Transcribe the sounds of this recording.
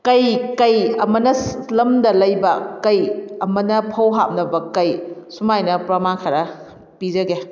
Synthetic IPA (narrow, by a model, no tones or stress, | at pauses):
kɐjkɐjɐmɐnɐlɐmdɐlɐjbɐkɐjɐmɐnɐpʰɐwɦap̚nɐbɐkɐjsumajnɐpɾɐmankʰɐɾɐ | pid͡ʒɐɡe